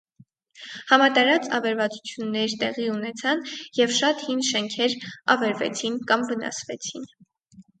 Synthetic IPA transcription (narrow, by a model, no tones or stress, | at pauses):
hɑmɑt̪ɑɾɑt͡sɑvɛɾvɑt͡sut͡sʰjunːɛɾt̪ɛʁiunɛt͡sʰɑnjɛvʃɑt̪hinʃɛŋkʰɛɾɑ̰vɛɾvɛ̰t͡sʰinkɑmvənɑ̰svɛt͡sʰin